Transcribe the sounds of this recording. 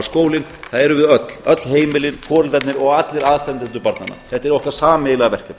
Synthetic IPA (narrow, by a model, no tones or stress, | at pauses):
skoːwlɪnθaðɛɾʏvɪðœt̪l̥œt̪lɦeːjmɪlɪnkʰɔːɾʏlt̪ɛt̪nɪɾɔɣat̪lɪɾaːðst̪ɛnt̪ɪnt̪ʏpaɾt̪nanːa̰θɛht̪ːɛɾowhkaɾsaːmɪɣlavɛr̥cʏm